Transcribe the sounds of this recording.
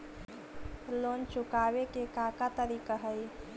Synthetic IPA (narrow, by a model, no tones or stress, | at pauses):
loːnt͡ʃʊkaːwekekakat̪əɾiːkaɦəj